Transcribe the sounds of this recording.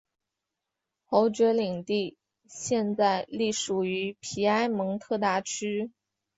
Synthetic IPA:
xo˧˥ʊt͡ɕɥɛ˧˥li˨˩ŋt̪i˥˧ | ɕjɛ˥˧nt͡sa˥˩˧ɪli˥˩ʂu˨˩y˧˥pʰi˨˩a˥ɪmɤ˧˥ŋt̪ʰɤ˥˧t̪a˥˩t͡ɕʰy˥

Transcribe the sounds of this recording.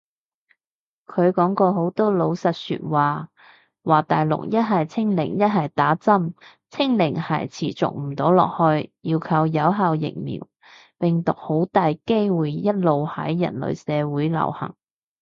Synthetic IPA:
kʰɵ˨˧ɥkɔː˨˥ŋkɔː˧ɦo˨˥wt̪ɔː˥lo˨˧wsɐ˨t̚sy̰ː˧t̚waː˨ | waː˨t̪aː˨jlʊ̰˨˩k̚jɐ˥t̚ɦɐ˨jt͡sʰɪ˥ŋlɪ̰˨˩ŋjɐ˥t̚hɐ˨jt̪aː˨˥t͡sɐ˥m | t͡sʰɪ˥ŋlɪ˨˩ŋhɐ̰˨˩jt͡sʰḭː˨˩t͡sʊ̰˨k̚m̩˨˩t̪o˨˥wlɔ̰ː˨k̚hɵ˧ɥjiː˧wkʰɐ˧wjɐ˨˥wɦaː˧wjɪ̰˨˩ŋmḭː˨˩w | pɪ˨ŋt̪ʊ˨k̚ho˨˥wt̪aː˨jke˥jwuː˨jjɐ˥t̚lo˨whɐ˨˥jːɐ̰˨˩nlɵ̰˨˩ɥsɛː˨˧wuː˨˥jlɐ̰˨˩whɐ̰˨˩ŋ

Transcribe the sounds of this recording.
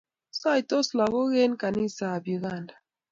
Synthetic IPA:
sa˦i˨tɔ˦sla˨ɣo˦ɣe˦nka˨ni˦saː˨bi˨ɣa˦˨nda˨

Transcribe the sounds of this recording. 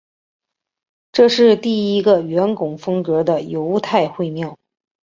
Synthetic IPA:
ʈ͡ʂɤ˥˧ʂɻ̩˥˧t̪i˥˩i˥ɡə˧ɥɛ˧˥nkʊ˨˩ŋfɤ˥ŋkɤ˧˥d̪ə˧jo˧˥ʊt̪ʰa˥˧ɪxwe˥˧ɪmjɑ˥˩ʊ

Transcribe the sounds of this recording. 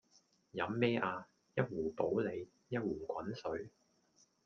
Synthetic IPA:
jɐ˨˥mːɛː˥ʔaː˧ | jɐ˥t̚wuː˨˩po˨˥wle˨˧j | jɐ˥t̚wuː˨˩kʷɐ˨˥nsɵ˨˥ɥ

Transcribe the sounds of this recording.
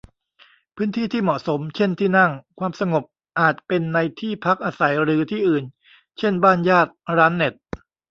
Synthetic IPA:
pʰɯː˦˥nt̪ʰiː˥˩t̪ʰiː˥˩mɔ˨˩ʔso˩˦mt͡ɕʰe˥˩nt̪ʰiː˥˩na˥˩ŋkʰwaː˧msa˧ŋo˨˩p̚ | ʔaː˨˩t̪̚pe˧nːa˧jt̪ʰiː˥˩pʰa˦˥k̚ʔaː˧sa˩˦jɾɯː˩˦t̪ʰiː˥˩ʔɯː˨˩n | t͡ɕʰe˥˩nbaː˥˩njaː˥˩t̪̚ɾaː˦˥nːe˨˩t̪̚

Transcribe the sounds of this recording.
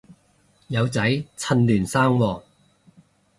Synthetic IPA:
jɐ˨˧wt͡sɐ˨˥jt͡sʰɐ˨˧nlyː˨˩nsaː˥ŋwɔː˧˩

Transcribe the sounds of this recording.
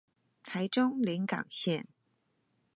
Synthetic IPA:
t̪ʰa˧˥ɪʈ͡ʂʊ˥ŋli˧˥nkɑ̰˨˩ŋɕjɛ˥˩˨n

